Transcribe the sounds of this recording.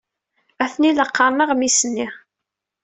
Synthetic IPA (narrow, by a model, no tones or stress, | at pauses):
æθniləqːɑɾˤməʁmisənːi